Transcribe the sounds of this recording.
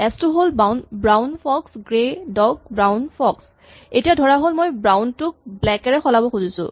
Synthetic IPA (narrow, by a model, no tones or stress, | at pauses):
ɛstʊɦolbanbɹawnpʰɔksɡɹedɔk̚bɹawnpʰɔks | etijadʱɔɹaɦolmojbɹawntʊk̚blɛkɛɹɛxɔlabɔxuzisʊ̰̃